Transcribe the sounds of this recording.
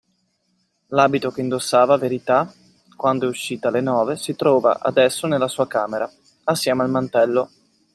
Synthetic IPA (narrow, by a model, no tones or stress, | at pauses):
laːbit̪ok̟eind̪osːaːvaveɾit̪a | kwand̪oɛuʃːiːt̪alenɔːvesit̪ɾɔːva̰ʔa̰d̪ɛsːonelːasuːakaːmeɾʔa | asːjɛːmealmant̪ɛlːo